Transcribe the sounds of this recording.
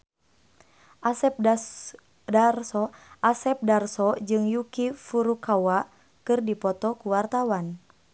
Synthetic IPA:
ʔasp | darsɔʔasɛp̚darsɔd͡ʒɨŋjukifuɾukawa | kɨrdipɔt̪ɔkuwart̪awan

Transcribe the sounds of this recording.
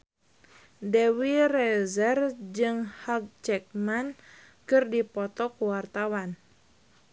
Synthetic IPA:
dɛwirɛzɛrd͡ʒɨŋhaɡ̚t͡ʃɛk̚man | kɨrdipɔt̪ɔkuwart̪awan

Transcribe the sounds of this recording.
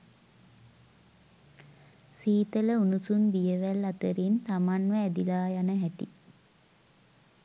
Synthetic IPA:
siːt̪ələunusunbijəʋælːat̪əɾint̪amanʋəːd̪ilaːjanəɦæt̪ḭ

